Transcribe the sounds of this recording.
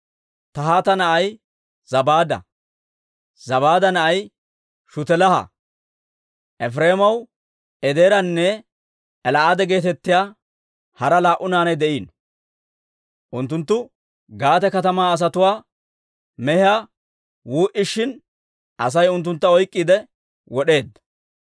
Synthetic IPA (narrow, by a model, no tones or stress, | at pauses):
t̪ɐɦaːt̪ɐnɐʔɐj | z̥ɐbaːd̪ɐ̰ | z̥ɐbaːd̪ɐnɐʔɐj | ʃʊt̪ɛlɐhɐ̰ | ʔɛfɾe̞ːmɐw | ʔɛd̪eːɾɐnːɛː | lɐʔad̪ɛɡe̞ːt̪ɛt̪ːɪjaː | hɐɾɐlaːʔʊnaːnɐjd̪ɛʔiːn | ʔʊnt̪ːʊnt̪ːʊ | ɡaːt̪ɛkɐt̪ɐmaːs̬ɐt̪ʊwaː | mɛhɪaː | wuːʔɪʃːɪn | ʔɐs̬ɐjʊnt̪̬ːʊnt̪ːɐɔjkʼːid̪ɛ | wɔɗe̞ːd̪ːɐ̥